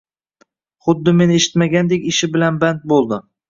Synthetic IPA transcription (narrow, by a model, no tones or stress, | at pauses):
χʊd̪ːɪmenɪeʃɪ̥t̪maɡʲand̪ekʲɪʃɪbɪlanbant̪̚bolˠd̪ɪ